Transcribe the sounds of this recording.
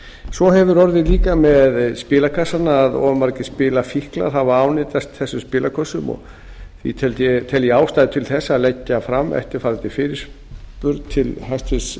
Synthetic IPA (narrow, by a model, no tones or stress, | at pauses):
svɔɦɛvʏɾɔɾðɪðliːkamɛðspɪːlakʰasːanaːðɔ̰ːmaɾcɪ̥spɪːlafihkla̰ɾ̥ɦavaaːwnɪt̪ast̪θɛsːʏmspɪːlakʰɔsːʏmɔ̰ɣ | θḭt̪ʰɛlt̪ɛt̪ʰɛljɪaːwst̪ajðɪt̪ʰɪlθɛsːaːlɛcːafɾamːɛ̰ht̪ɪɾ̥faɾɪt̪ɪfɪɾɪɾ̥s | pʏɾt̪t̪ʰɪlhajst̪fɪ̥s